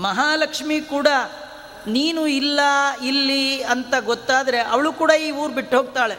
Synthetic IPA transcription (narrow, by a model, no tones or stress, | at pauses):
mɐɦaːlɐkʂmikuːɽɐ | niːnuilːɐilːiɐnt̪ɐɡɔt̪ːaːd̪ɐɾe̞ʔɐʋɐɭuːkuːɽɐiːuːɾbiʈːɦo̞ːɡ̚t̪aːɭe̞